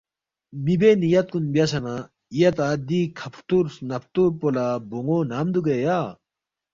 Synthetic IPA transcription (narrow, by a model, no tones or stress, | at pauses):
mibenijɐt̪̚kunbjɐsɐna | ijɐt̪aːd̪ikʰɐpʰɾt̪uɾsnɐp̚ʰt̪uɾpolaboŋoːnaːmd̪ukejaː